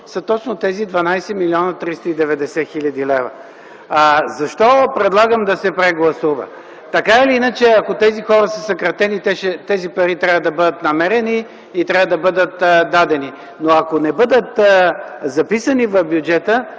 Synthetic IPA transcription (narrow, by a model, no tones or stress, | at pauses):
sət̪ɔt̪snot̪ɛzid̪vɐnajsɛmilʲiɔnət̪ɾist̪əid̪ɛvɛd̪ɛsɛxilʲɐd̪ilɛvə̰ | zɐʃt̪ɔpɾɛd̪lˠaɡəmd̪ɐsɛpɾɛɡlˠɐsuvə̰ | t̪ɐkaɛliinət͡ʃɛɐkot̪ɛzixɔɾəsəsɐkɾɐt̪ɛnit̪ɛʃɛt̪ɛzipɐɾit̪ɾʲavəd̪ɐbɤd̪ət̪nɐmɛɾɛniː | t̪ɾʲavəd̪ɐbɤd̪ət̪d̪ad̪ɛni | noɐkonɛbɤd̪ət̪ | zɐpisənivɐfbjud͡ʒɛt̪ə